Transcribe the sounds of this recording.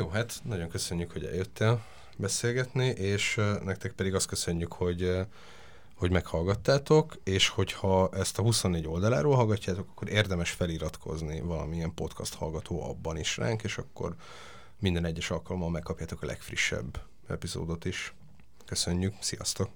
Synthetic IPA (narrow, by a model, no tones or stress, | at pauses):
joːɦat̪nɒɟo̞ŋkø̞sø̞ɲːykhoɟɛ̰ljøt̪ʰːeːl | bɛseːlɡɛt̪niʔeːʃnɛk̚t̪ɛk̚pɛd̪iɡɒst̪køsø̞ɲːykho̞ɟ | ho̞ɟmɛkhɒlɡɒt̪ːaːt̪o̞keːʃho̞chɒɛst̪ɒɦusonːeːɟo̞ld̪ɒlaːɾoːlɦɒlɡɒcːaːt̪o̞kɒ̥kːo̞ɾeːrd̪ɛmɛʃfɛliɾɒt̪kʰo̞̰znivɒlɒ̰miɛmpo̞t̪kʰɒ̰st̪hɒ̰lɡɒt̪ʰoːʔɒ̰bːɒniʃra̰ːŋkeːʃɒkːo̞̰r | mind̪ɛnɛɟːɛʃɒlkɒlo̞mːɒlmɛkːɒpjaːt̪o̞kɒlɛ̰kfriʃːɛ̰bː | ɛ̰pizo̰ːd̪o̞t̪iʃ | kø̞sø̞ɲːyksijɒ̰st̪o̞k